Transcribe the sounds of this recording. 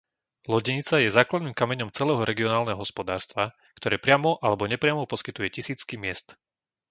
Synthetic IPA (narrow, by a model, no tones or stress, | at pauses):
lɔɟɛɲit͡sajɛzaːklad̪niːmkamɛɲɔmt͡sɛlɛːɦɔɾɛɡiɔnaːlnɛɦɔɦɔspɔd̪aːɾst̪ʋa | kt̪ɔɾɛːpɾɪamɔʔalɛbɔɲɛpɾɪamɔpɔskit̪ujɛcisiːt͡skimɪɛst̪